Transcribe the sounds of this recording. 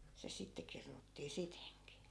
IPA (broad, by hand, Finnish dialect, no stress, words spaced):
se sitːe kirnutːiː siteŋki